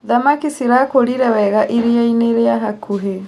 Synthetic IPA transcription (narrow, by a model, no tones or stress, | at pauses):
ðamakisiɾakoɾiɾɛwɛɣaʔiɾeaineɾeaɦakʰuɦe